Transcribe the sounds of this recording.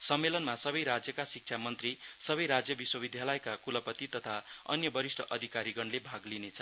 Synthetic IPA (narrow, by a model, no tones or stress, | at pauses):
sʌmːelʌnmasʌbʌjɾad͡zjʌkasik̚t͡sʰamʌnt̪risʌbʌjɾad͡zjʌbiswʌbid̪ʱjalʌjkakulʌpʌt̪it̪ʌt̪ʰaʌ̰njʌbʌɾisʈʰʌʔʌd̪ʱikaɾiɡʌnlebʱaɡlinet͡sʰʌ̥